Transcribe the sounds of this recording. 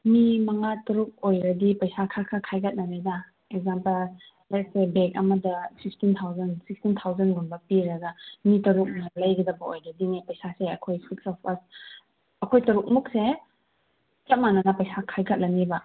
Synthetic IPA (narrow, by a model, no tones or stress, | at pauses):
mimɐŋatɐɾuk̚ojɾɐdipɐjsakʰakʰakʰajkʰɐt̚nɐɾena | ek̚zampɐl | lek̚sebek̚ɐ̰mɐdɐsipʰstint̪ʰawzɐnsik̚stint̪ʰawzɐnɡunbɐpiɾɐɡɐmitɐɾuk̚nɐlɐjɡɐdɐbɐojɾɐdinipɐjsaseɐkʰojsiksɔpʰɐs | ɐkʰojtɐɾuk̚muk̚se | t͡ʃɐt̚manɐnɐpɐjsakʰajkʰɐt̚lʔɐnibɐ